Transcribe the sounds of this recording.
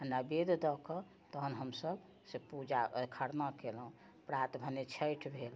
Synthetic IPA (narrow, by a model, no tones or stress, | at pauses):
ənːabed̪ʱd̪ɔkə | t̪əɦənɦəmsəb | sepud͡ʒakʰəɽnakelũ | pɾat̪bʱənet͡ʃʰəjʈʰbʱel